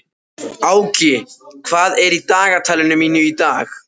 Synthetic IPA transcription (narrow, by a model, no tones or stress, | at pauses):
aːwcɪkʰvaːðɛɾit̪aːɣat̪ʰaːlɪnʏmiːnʏit̪aːx